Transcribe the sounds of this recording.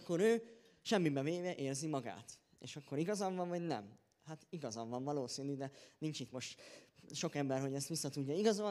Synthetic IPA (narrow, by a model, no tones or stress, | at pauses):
kːo̞ɾøː | ʃɛmːibɛveːvɛʔeːrzimɒɡa̰ːt̪ | ḛːʃɒkːo̞ɾiɡɒzɒɱvɒɱvɒɟnɛ̰m | hat̪iɡɒzɒɱvɒɱvɒloːsiːnyd̪ɛnint͡ʃit̪mo̞ʃt̪ʃo̞kɛmbɛrɦo̞ɟɛst̪ʋisːɒt̪uɟːɒiɡɒzo